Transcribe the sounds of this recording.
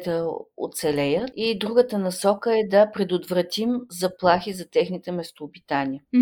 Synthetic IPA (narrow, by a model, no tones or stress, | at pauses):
t̪əo̰t̪sɛlɛjət̪id̪ɾuɡət̪ənɐsɔkəɛd̪ɐpɾɛd̪od̪vɾɐt̪imzɐplˠaxizɐt̪ɛxnit̪ɛmɛst̪oːbit̪anʲiə